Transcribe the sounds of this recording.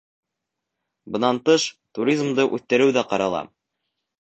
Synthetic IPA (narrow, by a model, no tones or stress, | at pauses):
bɤ̆nɑnt̪ɤʃt̪uɾʲizmd̪ɤʔʉθt̪ɘ̆ɾɘwðæqɑɾɑlˠɑ̰